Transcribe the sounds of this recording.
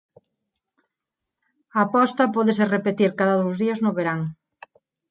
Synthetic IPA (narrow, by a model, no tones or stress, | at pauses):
ɐːpɔst̪ɐpɔðeserepet̪iɾkaðɐðowzðiɐznʊβeɾaŋ